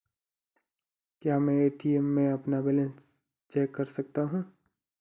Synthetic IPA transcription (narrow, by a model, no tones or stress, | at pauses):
kjaːmɛ̃eːʈiemːẽɐpnabɛːlə̃ns | t͡ʃɛːkːɐɾsɐk̚t̪aɦũː